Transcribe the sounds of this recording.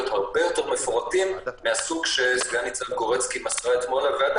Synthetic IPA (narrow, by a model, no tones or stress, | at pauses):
ot̪haʁbe̞jo̞t̪eʁmefoʁat̪imːeasuɡʃesɡanit͡siɡoʁet͡skimasʁaet̪molavead̪